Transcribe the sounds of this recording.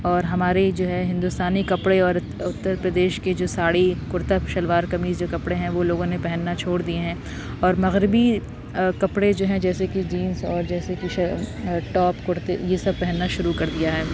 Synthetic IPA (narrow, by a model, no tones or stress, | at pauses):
ɔːɾɦɐmaːɾed͡ʒoːɦɛɦɪ̃nd̪ʊst̪aːnikɐpɽeɔːɾ | ʊt̪ːəɾpɾɐd̪eːʃked͡ʒoːsaːɽikʊɾt̪aʃɐlʋaːɾkɐmiːzd͡ʒoːkɐpɽeɦɛ̃ʋoloːɡõnepɛɦɛnːat͡ʃʰoːɽd̪ieɦɛ̃ː | ɔːɾmɐɣɾɪbi | kɐpɽed͡ʒoːɦɛ̃d͡ʒɛːsekid͡ʒiːnzɔːɾd͡ʒɛːsekiʃɐʈɔːpkʊɾt̪ejesɐb̚pɛɦɛnːaʃʊɾukɐɾd̪ijaɦɛː